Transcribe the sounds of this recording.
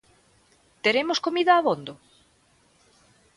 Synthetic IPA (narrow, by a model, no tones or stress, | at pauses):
t̪eɾemoskomiðaːβond̪o